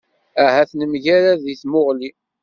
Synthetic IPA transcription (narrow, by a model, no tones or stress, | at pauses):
æɦæθnəmʝaɾaðiθmoʁli